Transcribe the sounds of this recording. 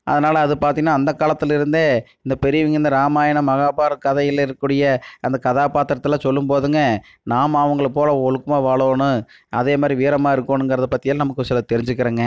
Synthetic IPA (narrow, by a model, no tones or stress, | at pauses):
ʔɐ̰ðɐnaːlɐːðɯpaːɾt̪iŋɡɐnːaːnd̪ɐkaːlɐt̪ːɯlɪɾɯnd̪ɯɪnd̪ɐpɛɾɪjʋɪŋɡɪɾɯnd̪ɐɾaːmaːjɐɳɐmɐɣaːbaːɾkɐðɐjɪlɪɾɯkːuːɽɪjɐɐnd̪ɐkɐðaːpaːt̪ɾɐt̪ːɯlaːsɔlːɯmpoːðɯŋɡɐ | naːmɐʋɐŋɡɐɭpoːlɐɔɭɯkːɯmaːʋaːɭoːnɯ̃ | ʔɐðeːmaːd̪ɾiʋiːɾɐmaːɪɾɯkːoːnɯnŋɡɪɾɐðɯpɐt̪ːɪjaːɐnɐmɐkːɯsɪlɐt̪ɛɾɪɲd͡ʒɯkːɪɾeːŋɡɐ